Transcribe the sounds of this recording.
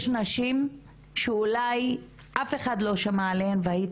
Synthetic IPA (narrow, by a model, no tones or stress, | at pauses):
ʃnaʃim | ʃeulaj | ʔafe̞χadlo̞ʃamaːlehemveai